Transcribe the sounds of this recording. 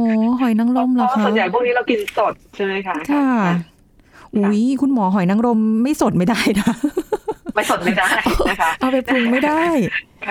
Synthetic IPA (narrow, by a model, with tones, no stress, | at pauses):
ʔɔː˨˦˩ɦɔ˨˩˦jna˦˥ŋɾo˧mlaː˨˩˧kʰa˦˨˩nja˨˩jpʰu˥˩ŋniː˦˥ɾa˧wki˧nso˨˩t̪̚t͡ɕʰa˥˩ma˦˥jkʰa˦˥kʰa˥˩ | ʔuː˩˦˥jkʰu˧nmɔː˩˦ɦɔ˨˩˦jna˧˦˥ŋɾo˧mːa˥˩jso˨˩t̪̚ma˥˩jdaː˥˩jna˦˥ | ma˥˩so˨˩t̪ma˥˩jdaː˥˩˦kʰʔa˧wpa˧pʰu˨˩ŋma˥˩jdaː˥˩j | kʰ